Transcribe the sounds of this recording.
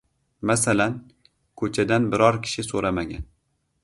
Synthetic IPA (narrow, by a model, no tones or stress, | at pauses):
masalan | kʰɵt͡ʃʰad̪anbɪɾɒɾkʲʰɪ̥ʃɪsoɾamaɡʲa̰n